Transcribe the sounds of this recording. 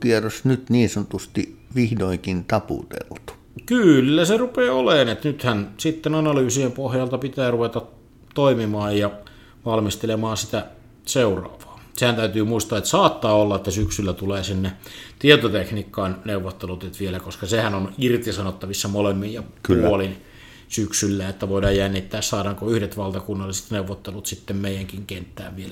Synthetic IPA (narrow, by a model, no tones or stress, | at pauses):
kierosnyt̪niːnsɑnŏt̪ust̪i | ʋihdoikint̪ɑpṵt̪ḛlt̪u̥ | kylːæserupeːoleːnet̪nyt̪hænsit̪ːenɑnɑlyːsiempohjɑlt̪ɑpit̪æːruʋet̪ɑt̪ | t̪oimimɑːjjɑ | ʋɑlmist̪elemɑːnsit̪æ | seurɑ̰ːʋɑ̥ːsehænt̪æyt̪yːmuist̪ɑːet̪sɑːt̪ːɑːolːɑet̪ːæsyksylːæt̪uleːsinːet̪iet̪ot̪eknikːɑːnneuʋːot̪ːelut̪et̪ʋielækoskɑsehænonirt̪isɑnot̪ːɑʋisːɑmolemːijjɑpuolin | syksylːæet̪ːæʋoˑidɑːjjænːit̪ːæːssɑːdɑŋkoyhdet̪ʋɑlt̪ɑkunːɑlːˑise̥t̪neuʋːot̪ːelut̪sit̪ːemmeˑijæŋkiŋkent̪ːæ̰ːʋʋielæ